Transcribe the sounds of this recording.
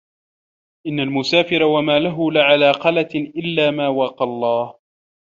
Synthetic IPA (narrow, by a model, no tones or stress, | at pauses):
ʔɪnːalmʊsaːfɪɾawamaːlaɦʊlɪʕalaːqɑlat̪ʔɪlːaːmaːwɑːqɑlˤːɑːh